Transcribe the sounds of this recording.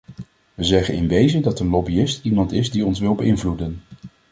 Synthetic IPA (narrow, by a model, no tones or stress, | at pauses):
ʋəzɛχənɪ̰nʋejzədɑtənlɔbiɪstimɑntɪzdiɔnsʋɪlbəɪnvludən